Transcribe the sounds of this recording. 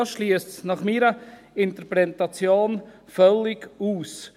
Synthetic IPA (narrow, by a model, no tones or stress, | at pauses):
ʃliəstsnɑχmiːɾə | ɪnt̪əɾpɾɛtɑt͡sjoːnfœlːɪɡuːs